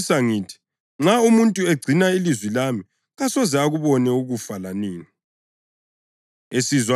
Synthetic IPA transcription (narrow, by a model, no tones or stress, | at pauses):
saŋiːtʰi̥ | ŋ͡ǁaumuntʼueɡ͡ǀʱinailizwilami | ɣasɔzɛaɣuβɔnɛuɣufalaniːni | esizwa